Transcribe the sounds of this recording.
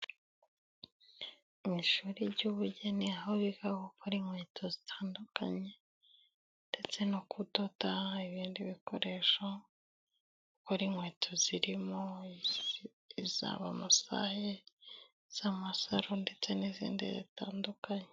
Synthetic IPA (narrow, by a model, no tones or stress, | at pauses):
miʃuɾiɾɟuːβuɟeniahoβiɡaɡokoɾiŋweːtʰozi̥tʰaːndukʰa̰ɲe̞ | nd̥e̞t͡se̞nokʰudotaiβiːndiβiko̞ɾe̞ʃo | ukoɾiŋweːtʰoziɾimo | iza̰ːβamusa̰he | z̥amasaɾonde̞t͡se̞nizḭːndḭzḭtaːndukaɲe